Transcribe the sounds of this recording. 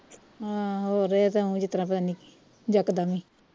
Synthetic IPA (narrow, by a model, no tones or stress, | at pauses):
aɦoːɾet̪aũːd͡ʒɪt̪ɾãːp̬ət̪aːniki̥ | d͡ʒəkd̪aːmĩː